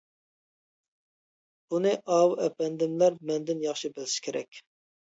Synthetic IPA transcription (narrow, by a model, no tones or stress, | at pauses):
unɨʔɑːwuʔɛpɛnd̪ɪmlæɾmɛnd̪ɪnjɑχʃibɪlʃɪ̥kʲʰeɾɛ̰kʲ